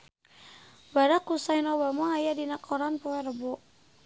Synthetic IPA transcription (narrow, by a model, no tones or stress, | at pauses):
baɾakusainɔbamɔajadinakʰɔɾanpɔwɛɾəbɔʔ